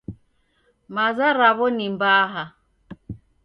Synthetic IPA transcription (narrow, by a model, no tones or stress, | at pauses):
mazaɾaβɔnimbaːɦa